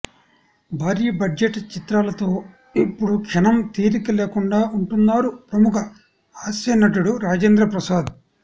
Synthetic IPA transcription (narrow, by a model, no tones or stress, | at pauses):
bʱaːɾiɐbɐd͡ʒd͡ʒeʈt͡ʃit̪ɾaːlɐt̪o̞ː | ipːuɽukʂɐnɐmt̪iːɾikɐleːkuɳɖaːuɳʈunːaːɾupɾɐmukɐ | aːsɐnɐʈ̬uɽuɾaːd͡ʒeːnd̪ɾɐpɾɐsaːd̪